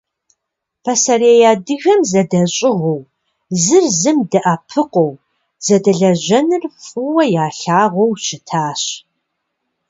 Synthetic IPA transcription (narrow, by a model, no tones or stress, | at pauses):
pʰɐsɐɾeːjaːdɨɣɐmzɐdɐɕʼɪʁow | zɨrzɨmdɐʔapʰɨqʷɔw | z̥ɐdɐɮɐʒɐnɨrfʼɨwɐjaːɬaːʁʷɔwt͡ʃʰɪtʰaːɕ